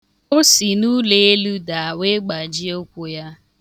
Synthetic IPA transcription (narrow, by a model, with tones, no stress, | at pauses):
ʊ˦si˨nu˦le˨e˦lu˦da˨a˨we˦ɡ͡ba˨d͡ʒi˦o˦kʷu˦ja˦